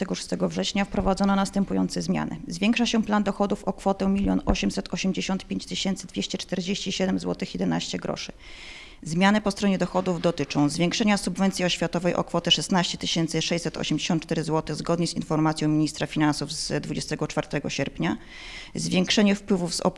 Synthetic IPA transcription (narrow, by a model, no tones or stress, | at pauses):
ɛɡɔʂu̥st̪ɛɡɔvʐɛɕɲafpɾɔvad̪zɔnɔnast̪ɛmpujɔ̰nt̪sɛzmʲja̰nɘ̰zvʲeŋkʂaɕɛpland̪ɔxɔd̪ufɔkfɔt̪ɛ̃mʲilʲjɔnɔɕɛmsɛt̪ɔɕɛmd͡ʑeɕɔnt̪̚pʲeɲt͡ɕt̪ɘɕɛnt̪sɘd̪vʲjeɕt͡ɕɛt͡ʂt̪ɛɾd͡ʑeɕt͡ɕiɕɛd̪ɛmzwɔt̪ɘxjɛd̪ɛna̰ɕt͡ɕɛɡɾɔ̰ʂɘ̥ | zmʲjanɛpɔst̪ɾɔɲɛd̪ɔxɔd̪uvd̪ɔt̪ɘt͡ʂɔ̃w̃zvʲjeŋkʂɛɲasubvɛnt̪sʲiɔɕfʲjat̪ɔvɛjʔɔ̰kfɔt̪ɛʂɛsnaɕt͡ɕɛt̪ɘɕɛnt̪sɘʂɛjt͡ɕsɛt̪ʰɔ̰ɕɛmd͡ʑeɕɔnt̪̚t͡ʂt̪ɛɾɘzwɔt̪ɘɣzɡɔd̪ɲɛzḭnfɔɾmat̪sʲjɔ̃w̃mʲiɲist̪ɾafʲinansuvzd̪vud͡ʑɛst̪ɛɡɔt͡ʂfaɾt̪ɛɡɔɕɛɾpɲa | zvʲjeŋkʂɛɲɛfpwɘvuvz̥ɔ̰